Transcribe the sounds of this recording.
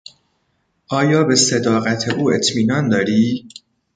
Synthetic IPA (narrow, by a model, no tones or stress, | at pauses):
ʔɒːjɒːbe̞sed̪ɒːɣæt̪ʰeʔuːe̞t̪ʰmiːnɒːnd̪ɒːɾiː